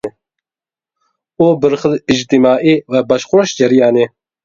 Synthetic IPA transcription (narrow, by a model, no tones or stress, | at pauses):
oːbɨɾxɨlɪd͡ʒt̪imaːʔiːwɛbɑʃxoɾoʃd͡ʒɛɾijaːne